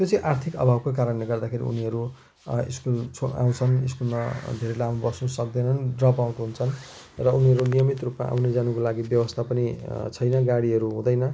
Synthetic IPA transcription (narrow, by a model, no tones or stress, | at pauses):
t̪jot͡sʌ̃ĩʔart̪ʰikʌ̰bʱabkokaɾʌnleɡʌrd̪akʰeɾḭṵniɦʌɾu | ḭskult͡sʰoa̰w̃t͡sʰʌniskunnʌd̪ʱeɾelamubʌsnusʌk̚d̪ʌnʌnɖrʌbaw̃ʈɦunt͡sʰʌn | rʌuniʌɾunijʌmit̪rupma̰ʔa̰wned͡zanukolaɡibjʌbʌst̪ʰapʌnit͡sʰʌjnʌɡaɽiɦʌɾuɦũd̪ʌjnʌ